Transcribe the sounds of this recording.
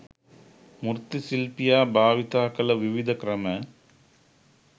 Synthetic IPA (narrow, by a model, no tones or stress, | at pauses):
mʊrt̪ːisilpijaːbaːʋit̪aːkɐlɐʋɪʋɪd̪ɐkɾɐmɐ